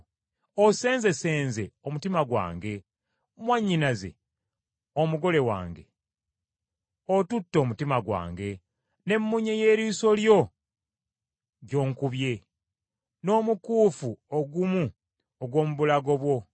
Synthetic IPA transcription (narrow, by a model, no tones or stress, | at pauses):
ose̞ːnze̞se̞ːnze̞omutimaɡwa̰ːŋɡe̞ | mwaɲːinaze̞̰ | omuɡo̞le̞wa̰ːŋɡe̞̰ | otutːo̞ːmutimaɡwa̰ːŋɡe̞ | ne̞mːuɲeje̞ːɾiːso̞ljo̞ | ɟo̞ːŋkuβje̞ | no̞ːmukuːfuoɡumu | oɡwo̞ːmuβulaɡo̞βwo̞